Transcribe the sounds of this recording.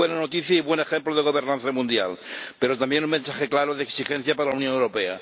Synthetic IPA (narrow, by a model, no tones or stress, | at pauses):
wenanot̪iθjaiβwenexemploðeɣo̞β̞eɾnãnθamũnd̪ja̰lpeɾot̪ambjenuŋmensaxeklaɾoðeksixẽn̟θjapaɾalawnjõ̞newɾopea̰